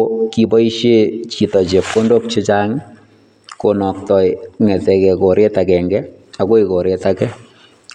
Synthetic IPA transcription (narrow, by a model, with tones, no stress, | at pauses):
ki˧pɔ˦i˦ʃe˦t͡ʃi˨tɔ˨t͡ʃe˨p̚ko˦ndo˦p̚t͡ʃɪ˦t͡ʃa˦ŋ | ko˨nɔ˨ktɔ˨jŋɛ˨tɛ˨kɛ˨ko˨ɾe˦takɛ˨ŋɡɛ˦ako˦iko˨ɾe˦takɛ˦